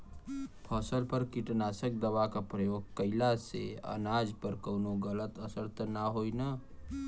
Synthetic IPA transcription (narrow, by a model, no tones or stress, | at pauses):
pʰəsəlpəɾkiʈnasək̚d̪əʋakapɾəjoɡ̚kəɪlasḛə̰nad͡ʒpəɾkəʊnoɡələt̪əsəɾt̪ʰnaɦoina